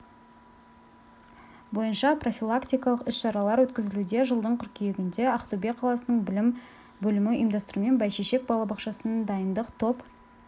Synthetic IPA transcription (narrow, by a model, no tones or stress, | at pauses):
bo̞jənʃɑpro̞fʲilˠakt̪ijkɑlˠəqʏsʃɑɾɑlˠɑɾwɵt̪kʲɪzɪlud̪e̞ʒəlˠd̪əɴqʲʰʏɾkʲʰejeɡʲɪnd̪e̞ɑχt̪ube̞qʰɑlˠɑsənəɴbɪm | bɵlɪmɪḭjmd̪ɑst̪əɾume̞nbɑjʃeʃe̞k̚bɑlˠɑbɑqʃɑsənd̪ɑjənd̪əqt̪ʰo̞p